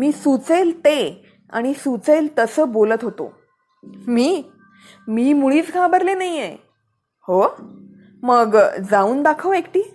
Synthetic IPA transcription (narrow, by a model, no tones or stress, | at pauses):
miːsut͡selt̪e | a̰ɽ̃isut͡selt̪əsəːbolət̪ɦot̪o̰ | miː | miːmuɭiːt͡sɡʰʱãbəɾlenaije | ho | məɡd͡zauːnd̪akʰəʋekʈiː